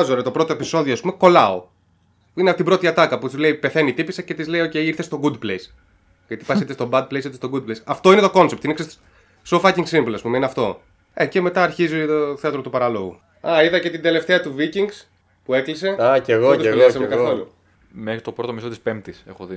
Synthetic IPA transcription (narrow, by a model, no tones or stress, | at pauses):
zoɾet̪o̞pɾo̞t̪o̞e̞piso̞ðioːspumeko̞lɐo̰ | ineɐt̪ibɾo̞t̪iɐt̪ɐkɐput̪izleipe̞θe̞nit̪ipisɐcet̪izle̞io̞ce̞jiɾθe̞st̪o̞ɡud̪plejs | ʝɐt̪i̥pɐsitθest̪o̞bɐd̪̚plejsiθest̪oɡud̪̚plejsɐft̪o̞ine̞t̪o̞ko̞nsept̪inekses | sofɐciŋɡsimvlɐspumeineɐft̪o̞̰ | ece̞me̞t̪ɐːɾçizit̪oθeɐt̪ɾot̪upɐɾɐlo̞ɣṵ | ɐiðɐce̞t̪ind̪e̞le̞ft̪eɐt̪uviciŋɡs | pue̞klise̞eɣot̪isɐmekɐθo̞lu | mexɾit̪o̞pɾot̪omiso̞t̪ispemt̪isexoði